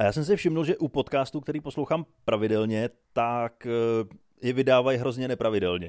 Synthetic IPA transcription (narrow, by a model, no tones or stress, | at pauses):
ajaːsɛms̬ɪfʃɪmnulʒɛʔupo̞t̪kaːst̪uk̚t̪ɛɾiːpo̞slowxaːmpɾavɪdɛlɲɛt̪ak | jɛvɪdaːvajɦɾo̞zɲɛnɛpɾavɪdɛlɲɛ